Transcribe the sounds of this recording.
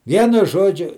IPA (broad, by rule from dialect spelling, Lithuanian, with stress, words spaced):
ˈʋʲiɛnʊ ˈʒoːd͡ʒʲʊ